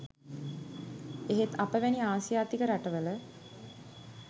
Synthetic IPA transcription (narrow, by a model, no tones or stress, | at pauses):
eɦet̪apəʋæniaːsijaːt̪ikəɾaʈəʋələ